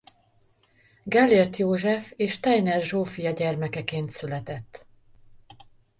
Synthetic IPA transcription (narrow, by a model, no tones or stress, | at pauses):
ɡɛlːeːrt̪joːʒɛfeːʃt̪ɛjnɛrʒoːfijɒɟɛrmɛkɛkeːnt̪sylɛt̪ɛt̪ː